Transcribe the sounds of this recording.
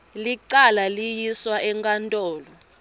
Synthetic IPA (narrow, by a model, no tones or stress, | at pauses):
liǃalalijiswaʔɛŋkʼantʼɔːlɔ